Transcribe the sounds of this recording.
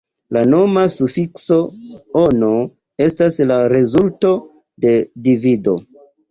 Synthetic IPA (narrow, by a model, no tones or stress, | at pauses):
lano̞masufikso̞ono̞ | e̞staslaɾe̞zulto̞ | de̞divido̞̰